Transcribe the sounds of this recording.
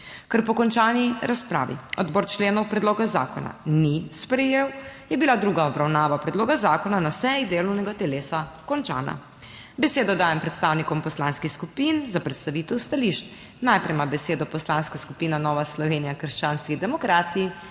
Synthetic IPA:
kəɾpɔkɔnt͡ʃaːniɾaspɾa̰ːʋḭɔd̪bɔːɾt͡ʃleːnɔwpɾɛd̪loːɡaza̰ːkɔna̰nispɾɛjeːwjɛbilad̪ɾuːɡaɔbɾawnaːʋapɾɛd̪loːɡazaːkɔnanasɛjid̪eːlɔwnɛɡat̪ɛleːsakɔnt͡ʃa̰ːna̰ | bɛseːd̪ɔd̪aːjɛmpɾɛt̪st̪aːwnikɔmpɔslanskixskupinzapɾɛt̪st̪aʋiːt̪ɛwst̪aliʃt̪ | najpɾɛjmabɛseːd̪ɔpɔslanskaskupiːnanɔːʋaslɔʋeːnijakəɾʃt͡ʃaːnskiɣd̪ɛmɔkɾaːt̪i

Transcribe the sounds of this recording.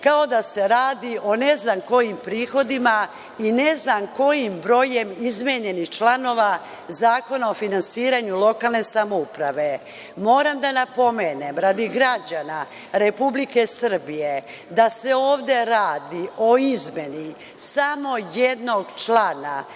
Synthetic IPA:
kao̞d̪ase̞ɾaːd̪iʔo̞ne̞znamko̞jimpɾiːxo̞d̪ima | ine̞znamko̞jimbɾo̞je̞mizmeɲe̞nixt͡ʃlano̞ːʋa | zaːko̞nao̞finansiːɾaɲulˠo̞kaːlˠne̞samoupɾaʋe̞ | mo̞ːɾamd̪anapo̞meːnemɾad̪iɡɾad͡ʑana | ɾe̞publike̞sr̩bije̞ | d̪aseoːʋd̪e̞ɾaːd̪io̞izme̞ni | samo̞jed̪no̞ɡt͡ʃlˠana

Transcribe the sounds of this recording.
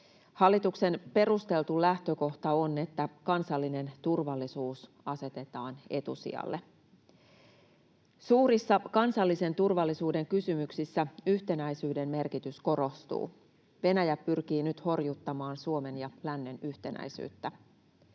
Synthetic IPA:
hɑlːit̪ukse̞npe̞ɾust̪e̞lt̪ulæht̪øko̞ht̪ɑone̞t̪ːækɑnsɑlːine̞nt̪urʋɑlːisuːs | ɑse̞t̪e̞t̪ɑːne̞t̪ṵsḭɑ̰lːe | suːɾisːɑkɑnsɑlːise̞nt̪urʋɑlːisuːde̞ŋkysymyksisːæyht̪e̞næjsyːde̞mme̞rkit̪ysko̞ɾo̞st̪ṵː | ʋe̞næjæpːyrk̟iːnyt̪ho̞rjut̪ːɑmɑːnsuome̞njɑlænːe̞nyht̪e̞næ̰jsy̰ːt̪ːæ

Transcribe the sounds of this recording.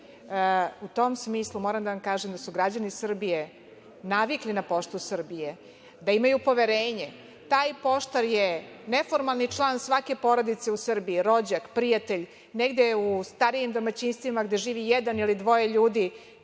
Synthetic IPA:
ut̪o̞msmiːslˠumoːɾamd̪aʋamkaːʒemd̪asuɡɾad͡ʑanisr̩bije̞ | naʋiklinapo̞ʃt̪usr̩bije | d̪aimajupo̞ʋeɾeːɲe | t̪aːjpo̞ʃt̪aɾjenefo̞ɾmalˠnit͡ʂlˠaːnsʋake̞po̞ɾod̪it̪seusr̩biiɾo̞d͡ʑakpɾijat̪e̞ʎ | neɡd̪eust̪aɾijimd̪o̞mat͡ɕiːnst̪ʋimaɡd̪e̞ʒiːʋijɛd̪anilid̪ʋo̞je̞ʎuːd̪i

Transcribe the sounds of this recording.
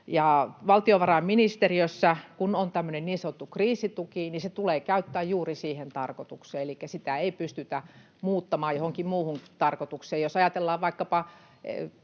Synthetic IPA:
jɑʋɑlt̪ioʋɑrɑmminist̪eriøsːækunont̪æmːønenniːnsɑnot̪ːukriːsit̪ukiniset̪uleːkæyt̪ːæːjjuːrisiːhent̪ɑrkot̪ukseːelikːæsit̪æeipyst̪yt̪æ | muːt̪ːɑmɑːjjohoŋkimmuːhunt̪ɑrkot̪ukseːjjosɑjɑt̪elːɑːʋʋɑikːɑpɑ | ḛ

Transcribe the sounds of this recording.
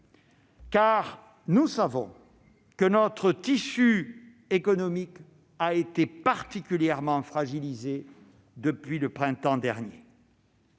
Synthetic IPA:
kaʁ | nusavɔ̃ | kənɔt̪χət̪isy | ekɔnɔmik | aet̪epaʁt̪ikʲyljɛʁmɑ̃fχaʒilize | d̪əpɥiləpχɛ̃t̪ɑ̃d̪ɛʁnjḛ

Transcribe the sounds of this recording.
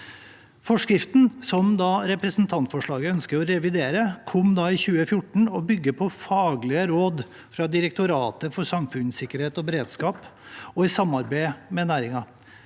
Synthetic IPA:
fɔʂkɾɪft̪n̩sɔmd̪ɑːɾɛpɾəsn̩t̪ʰɑnt̪fɔʂɭɑːɡəœnskəɾɔɾɛʋɪd̪eːɾəkʰɔmd̪ɑːɪçʉːəfjʊʈɳ̩ɔbʏɡːəpʰɔfɑːɡlɪəɾoːd̪ | fɾɑd̪ɪɾək̚t̪ʊɾɑːt̪əfɔsɑmfʉnsɪkːəɾheːt̪ɔbɛɾeːd̪skɑːpɔɪsɑmːɑɾbeɪmɛnæːɾɪŋɑ

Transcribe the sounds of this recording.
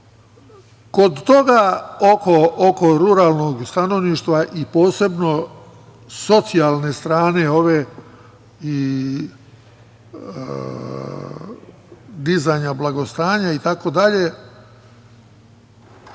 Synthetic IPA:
ko̞d̪t̪o̞ɡaokooko̞ɾuɾaːlˠno̞ɡst̪ano̞ʋniːʃt̪ʋaʔipo̞ːse̞bno̞ | so̞t̪sialˠne̞st̪ɾaːne̞o̞ʋe | i | d̪izajɲablˠaɡo̞st̪aːɲait̪ako̞d̪aʎe̞

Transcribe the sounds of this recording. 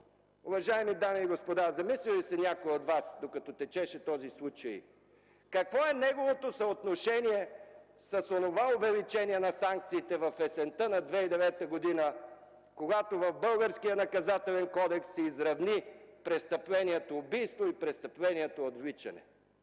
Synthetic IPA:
ʊvɐʒaɛmid̪amiːɡospod̪azɐmislilisɛnʲakoɛot̪vasd̪okɐt̪ɔt̪ɛt͡ʃɛʃɛt̪ɔzislˠut͡ʃəj̰ | kɐkvɔɛnɛɡovot̪osɐot̪noʃɛniɛ | sɐsonovaovɛlit͡ʃɛniɛnɐsaŋk̚t̪siːt̪ɛvɐfɛsɛnt̪ənɐd̪vɛid̪ɛvɛt̪əɡod̪inə | koɡat̪ovɐfbɤlˠɡəɾskijənɐkɐzat̪ɛlɛnkɔd̪ɛksɛizɾɐvnipɾɛst̪əplɛniɛt̪oːbijst̪voipɾɛst̪əplɛnʲiɛt̪oːt̪vlit͡ʃɐ̰nɛ̰

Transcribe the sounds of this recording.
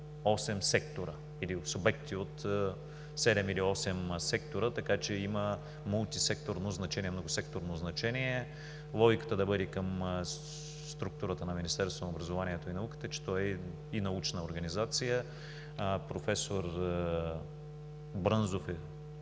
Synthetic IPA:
ɔsɛmsɛkt̪oɾə | ilisʊbɛk̚t̪iot̪ | sɛd̪ɛmiliɔsɛmsɛkt̪oɾət̪ɐkat͡ʃɛimə | mulˠt̪isɛk̚t̪oɾnoznɐt͡ʃɛniɛmnoɡʊsɛk̚t̪oɾnoznɐt͡ʃɛniɛ | lˠɔɡʲikə̥t̪əd̪ɐbɤd̪ikəm | st̪ɾuk̚t̪uɾət̪ənɐminist̪ɛɾst̪vonɐobɾɐzovaniɛt̪oinɐukə̥t̪ət͡ʃɛ̥t̪ɔɛ | inɐut͡ʃnəoɾɡɐnizat̪sijə | pɾofɛsoɾ | bɾənzofɛ

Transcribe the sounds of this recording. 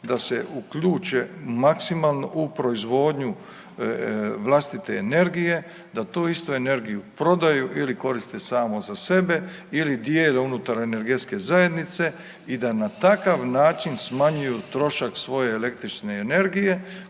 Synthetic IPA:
d̪ase̞ʔukʎuːt͡ʃemaksimalˠnoʔupɾo̞izʋo̞ːd̪ɲu | ʋlˠast̪it̪eːne̞ɾɡije̞ | d̪at̪oːist̪uene̞ɾɡijupɾo̞d̪ajuʔiliko̞ɾist̪esaːmo̞zase̞be̞ilid̪jeleunut̪aɾene̞ɾɡe̞t̪ske̞zaje̞d̪nit̪se̞ | id̪anat̪akaʋnaːt͡ʃinsmaɲujut̪ɾo̞ʃaksʋo̞jeːle̞kt̪ɾit͡ʃneːne̞ɾɡije̞

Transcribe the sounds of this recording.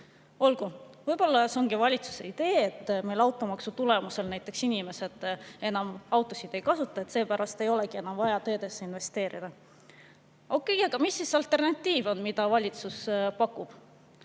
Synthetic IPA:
o̞lɡ̥uvɤjbo̞lːɑseo̞ŋɡivɑlʲit̪su̥se̞̰id̪̥e̞ːet̪ːˑmelɑwt̪ˑo̞mɑksut̪ule̞muse̞lnæjt̪ːˑe̞ksinʲime̞se̞d̪̥e̞nɑmɑwt̪ːˑo̞sid̪̥e̞jkɑsut̪ːˑɑe̞t̪se̞ːpæɾʔɑst̪e̞jo̞leɡ̥ie̞nɑmvɑjɑt̪ø̞ːd̪e̞sːeinve̞st̪e̞ːɾḭd̪̥ɑ | ʔo̞kːe̞jɑɡ̥ɑmisːisɑlt̪ːˑe̞rnɑt̪ʲːiːvo̞nmid̪̥ɑvɑlʲit̪suspɑkːˑub̥

